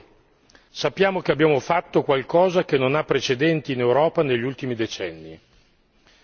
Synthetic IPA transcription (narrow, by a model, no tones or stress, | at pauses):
sapːjaːmok̟eabːjaːmofat̪ːokwalkɔːzak̟enːonapːɾet͡ʃed̪ɛnt̪iːnewɾɔːpaneʎːiult̪imid̪et͡ʃɛnːi